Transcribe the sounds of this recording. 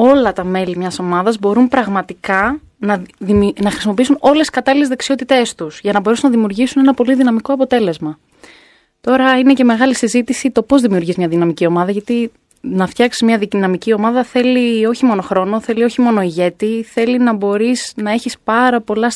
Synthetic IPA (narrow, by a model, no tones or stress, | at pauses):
o̞lɐt̪ɐme̞limɲɐso̞mɐðɐzbo̞ɾumpɾɐɣmɐt̪ikɐ | nɐnɐxɾisimopiisuno̞lesi̥skɐt̪ɐlile̞zðeksio̞t̪it̪e̞st̪usʝɐnɐbo̞ɾeunɐðimiuɾʝisune̞nɐpo̞liðinɐmiko̞ɐpo̞t̪e̞le̞zmɐ | t̪o̞ɾɐine̞ce̞me̞ɣɐlisizit̪isit̪o̞po̞zðimiuɾʝizmɲɐðinɐmicio̞mɐðɐʝɐt̪i | nɐft̪çɐksi̥zmɲɐðinɐmicio̞mɐðɐθe̞lio̞çimo̞no̞xɾo̞no̞θe̞lio̞çimo̞no̞iʝe̞t̪iθe̞linɐbo̞ɾisnɐe̞çispɐɾɐpo̞lɐs